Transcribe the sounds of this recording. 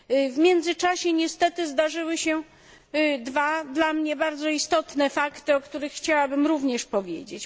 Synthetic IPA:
vmʲjɛnd̪zɘt͡ʂaɕɛɲɛst̪ɛt̪ɘzd̪aʐɘwɘɕɛ | d̪vad̪lamɲɛbaɾd̪zɔist̪ɔt̪nɛfakt̪ɘɔkt̪uɾɘxːt͡ɕawabɘmɾuvɲɛʂpɔvʲjḛd͡ʑet͡ɕ

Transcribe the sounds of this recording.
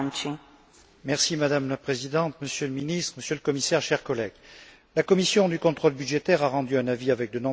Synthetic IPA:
t͡ʃi | mɛʁsimad̪amlapχezid̪ɑ̃t̪məsjøləminist̪χəməsjøləkɔmisɛʁʃɛʁkɔlɛɡ | lakɔmisjɔ̃d̪ykɔ̃t̪χɔlbyd̪ʒet̪ɛʁaʁɑ̃d̪yɛ̃naviavɛk̚d̪ənɔ̃

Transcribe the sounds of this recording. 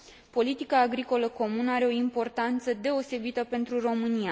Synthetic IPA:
po̞lit̪ikaːɡɾiko̞ləko̞munəaɾe̞o̞impo̞rt̪ant̪səd̪e̞o̞se̞bit̪əpe̞nt̪ɾuro̞mɨnija

